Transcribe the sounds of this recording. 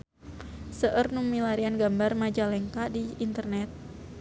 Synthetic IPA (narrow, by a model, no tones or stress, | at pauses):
səʔərnuŋmilaɾianɡambarmad͡ʒalɛŋkadiːnt̪ərnɛt̪̚